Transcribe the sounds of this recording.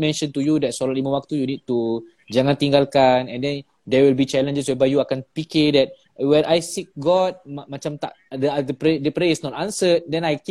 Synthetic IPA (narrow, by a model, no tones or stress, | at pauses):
mɛ̃nʃə̃nt̪ujudɛt̚sɔlalimə̃wak̚t̪ujunid̚t̪u | d͡ʒaŋãnt̪iŋɡalkanɛ̃ndɛ̃n | dɛwilbit͡ʃɛlə̃nd͡ʒəswɛbajuakãnpikidɛt̚ | wɛ̃najsik̚ɡɔt̚mat͡ʃamt̪a̰ʔ | dəadəpɾedəpɾeisnɔt̪ãnsət̚dɛ̃najk